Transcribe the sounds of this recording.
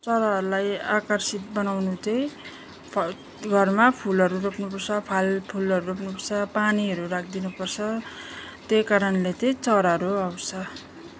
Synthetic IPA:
t͡sʌɾaɦʌɾulajakʌrsit̪̚bʌnawnut͡sʌj | pʰ | ɡʱʌrmapʰulʌɾuɾopnupʌrt͡sʰʌpʰalpʰulʌɾuɾopnupʌrt͡sʰʌpaniʌɾuɾak̚ʰd̪inupʌrt͡sʰʌ | t̪ekaɾʌnlet͡sʌjt͡sʌɾaɾuʌwsʌ

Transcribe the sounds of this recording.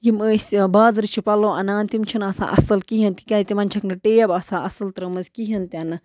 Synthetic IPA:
jiməːsʲbaːzɨɾit͡ʃʰipɐloːʔɐnaːnt̪imt͡ʃʰinasã̰ːʔɐ̰sɨlkiɦɐnt̪ikʲazʲit̪imɐnt͡ʃʰɐknɨʈeːjɐbasãːʔɐsɨlt̪ɾɐmɨzʲkiɦɐnt̪ʲɐnɨ

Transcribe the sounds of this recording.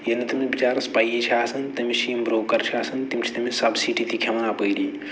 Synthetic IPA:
jenet̪imibit͡ʃaːɾspajet͡ʃʰiaːsɐnt̪ɐmisiimbɾoʋkəɾt͡ʃʰiaːsənt̪imt͡ʃʰi̥t̪imisɐbsiʈit̪ikʰemənapəjli

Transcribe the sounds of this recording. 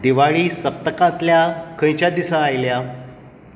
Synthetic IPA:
d̪iʋaɭiːsəp̚t̪əkãt̪ljakʰə̃jt͡ɕjad̪isãːjlja

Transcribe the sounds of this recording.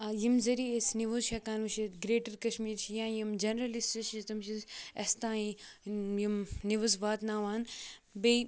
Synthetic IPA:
jimzɐɾiesniʋozʃɐkaːnʋɐʃit̪ɡɾeːʈɐɾkɐʃmiːɾt͡ʃʰijãːjimd͡ʒɐnɾɐlisʈɐʃt̪ɐmʃʰisɐst̪ãːĩ | jimniʋɐzʋaːt̪naːʋaːnbe

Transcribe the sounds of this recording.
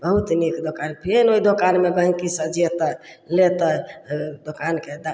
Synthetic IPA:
bəɦut̪nikd̪okanpʰenoid̪okanmebə̃ɦkisəd͡ʒijet̪ə | let̪əd̪okanked̪a

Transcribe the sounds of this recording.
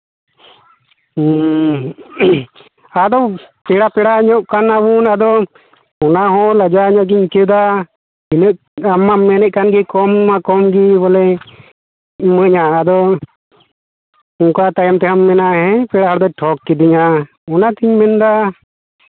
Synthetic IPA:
ad̪ɔpɛɽapɛɽaːɲɔʔkanabunad̪ɔ | ɔnaɦɔ̃ləd͡ʒaɲɔʔɡiɲkəd̪a | inəʔ | amːamɛnɛʔ̪̚kanɡikɔmmakɔmɡibɔlɛ | məɲaːd̪ɔ | uŋkat̪ajamt̪ɛɦamːɛnaɛpɛɽaɦaɽd̪ɔʈʰɔkːid̪iɲa | ɔnat̪iɲmɛnd̪a

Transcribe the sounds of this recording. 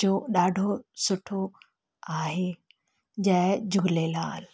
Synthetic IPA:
oːɗaːɖʱosʊʈʰo | aːɦe | d͡ʑɐ̃ːd͡ʑʊɡʱlela̰ːl

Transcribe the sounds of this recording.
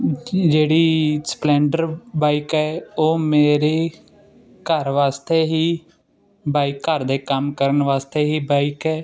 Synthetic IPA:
d͡ʒeːɽiːsplɛ̃ːɳɖəɾbaːɪkɛːoːmeːɾeː | kəɾʋaːst̪eːɦiː | baːɪkːəɾd̪eːkəmkəɾənʋaːst̪eːɦiːbaːɪkɛː

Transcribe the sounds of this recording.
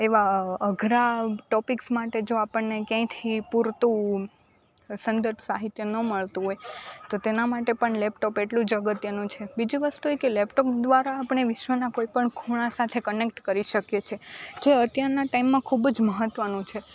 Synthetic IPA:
eʋaəɡʱɾaʈɔpiksmaʈed͡ʒoapəɳːekjãt̪ʰipuɾt̪ũ | sənd̪əɾbʱsa̰ɦit̪jənəməɭt̪ũɦojt̪ot̪enamaʈepəɳlɛpʈɔpeʈlũd͡ʒəɡət̪jənũt͡ʃʰebid͡ʒĩʋəst̪uekelɛpʈɔk̚d̪ʋaɾaːpəɳ̃eʋɪʃʋənakoipəɳkʰuɽ̃asat̪ʰekənek̚ʈkəɾiʃəkjet͡ʃʰed͡ʒeət̪jaɾnaʈaimːãkʰubd͡ʒməɦət̪ːʋənũt͡ʃʰe

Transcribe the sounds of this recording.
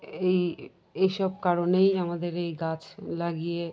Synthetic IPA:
ej | ejʃɔb̚kaɾonejamad̪eɾejɡat͡ɕlaɡije

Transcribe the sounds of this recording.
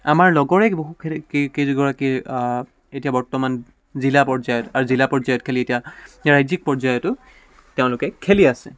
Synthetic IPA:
amaɹlɔɡɔɹɛboɦukkeziɡɔɹaki | etijabɔɹtɔman | zilapɔɹzajɔtaɹuzilapɔɹzajɔtkʰelietijaɹajzik̚pɔɹzajɔtʊ | teʊ̃lʊkɛkʰeliasɛ̰

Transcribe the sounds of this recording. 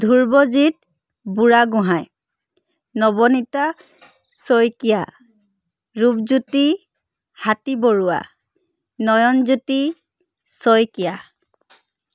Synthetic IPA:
dʱuɹbɔzit̚ | buɹaɡʊ̃ɦaj | nɔbɔnita | sojkija | ɹubzuti | hatiboɹua̰ | nɔjɔnzuti | sojkija

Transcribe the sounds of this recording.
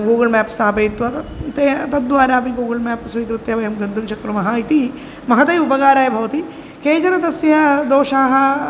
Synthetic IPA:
ɡuːɡɐlmæːpsaɦɐpeːt̪ʋɐt̪et̪ɐt̪̚d̪ʋaːɾaːpiɡuːɡɐlmæːpsʋiːkɾɨt̪jɐʋɐjɐmɡɐnd̪unt͡ʃɐkɾumɐɦɐit̪i | mɐɦɐt̪ɐjubɐɡaːɾaːjɐbʱɐʋɐt̪i | keːd͡ʒɐɾɐd̪ɐsjɐd̪oːʃaːɦɐ

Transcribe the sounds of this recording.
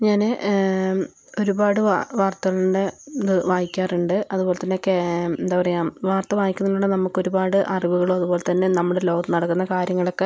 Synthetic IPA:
ɲaːnɨ | o̞ɾubaːɽɨʋaʋaːrt̪ɐɣɐɭuɳɖeɨʋaːjikʲːaːruɳɖɨɐðubo̞ːlet̪ɐnːeokːeend̪aːpɐrɐjaːmʋaːrt̪ɐʋaːjikʲːunːɐuɭːenɐmːukːo̞ɾubaːɽɨʔɐriʋuɣɐɭoːɐðubo̞ːle̞t̪ɐnːenɐmːuɽelo̞ːɡɐmnɐɽɐkːunːɐkaːɾjɐŋːɐɭo̞kːe̞

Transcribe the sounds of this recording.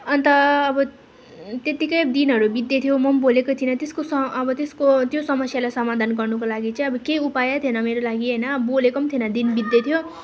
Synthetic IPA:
ʌnt̪ʌːbʌ | t̪et̪ikʌjd̪inɦʌɾubid̪jʌt̪ʰijomʌmbolekot̪ʰinʌt̪eskosʌʌbʌt̪eskot̪josʌmʌsjalajsʌmad̪ʱanɡʌrnukolaɡit͡sʌj̃ʌbʌkejupajʌt̪ʰienʌmeɾolaɡiɦʌjnʌbʌbolekomt̪ʰinʌd̪inbid̪jʌt̪ʰijo

